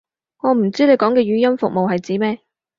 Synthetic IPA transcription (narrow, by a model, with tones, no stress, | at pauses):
ŋɔː˨˧m̩˨˩t͡siː˥ne˨˧jkɔː˨˥ŋkɛː˧ɥyː˨˥jɐ˥mfʊ˨k̚mo˨whɐ˨jt͡siː˨˥mɛː˥